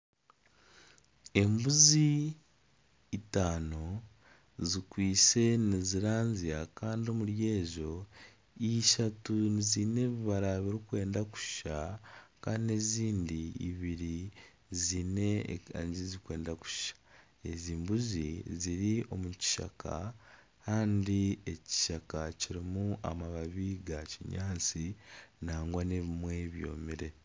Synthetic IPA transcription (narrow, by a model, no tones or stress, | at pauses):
e̞mbuzi | taːno | zikwiːse̞niziɾaːnziakaːndio̞muɾje̞ːʒo̞ | iʃatunizine̞βiβaɾaβiɾikwe̞ːndaku̥ʃakaːndine̞ziːndiḭβiɾi | ziːne̞ɲzizikwe̞ːndaku̥ʃi̥ʃḁ | e̞ziːmbuziziɾio̞muci̥ʃa̰kʰa̰ | kaːndieci̥ʃakaciɾimuʔa̰maβaβiːɡaciɲaːnt͡sinaːŋɡwaneβimwe̞βjo̞̰ːmiɾe̞